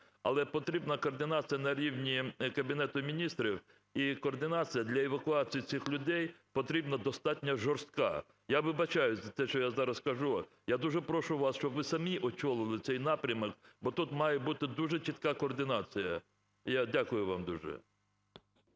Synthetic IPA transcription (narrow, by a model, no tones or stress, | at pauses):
ɐ̰lˠɛpɔt̪ɾʲibnɐkɔːrd̪ɪnɑt͡sʲijɐnɐɾʲiwnʲikɐbʲinɛt̪ʊmʲinʲist̪ɾʲiw | ikɔːrd̪ɪnɑt͡sʲijɐd̪lʲɐɛʋɐkʊɑt͡sʲijitt͡s̪ʲixlʲʊd̪ɛjpɔt̪ɾʲibnɐd̪ɔst̪ɑtʲnʲɐʒɔrst̪̚kɑ̰ | jaʋɪbɐt͡ʃɑjʊzɐt̪ɛʃt͡ʃɔjazɑɾɐskɐʒu | jad̪uʒɛpɾɔʃʊʋɑsʃt͡ʃɔbʋɪsɐmʲiʔɔt͡ʃɔlˠɪlˠɪt̪sɛjnɑpɾʲɐmɔkbɔt̪ut̪mɑjɛbut̪ɪd̪uʒɛt͡ʃit̪kɑkɔːrd̪ɪnɑt͡sʲijɐ | jadʲakʊjʊʋɑmd̪uʒɛ̰